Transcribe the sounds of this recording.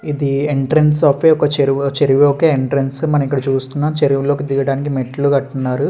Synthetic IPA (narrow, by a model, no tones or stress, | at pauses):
id̪ieɳʈɾensaːpʋeːɔkɐt͡ʃeɾut͡ʃeɾiʋeɔkeːeɳʈɾensmɐnɐmikːɐɽɐt͡ʃuːst̪unːaːmt͡ʃeɾiʋulo̞ːkid̪iɡɐɽaːnikimeʈːɐluɡɐʈːunːaːɾu